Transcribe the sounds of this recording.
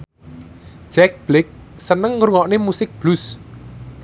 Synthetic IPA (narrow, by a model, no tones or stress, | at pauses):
ʒ̥ɛk̚b̥lɪk̚sənəŋɾuŋɔʔnemusɪk̚b̥lus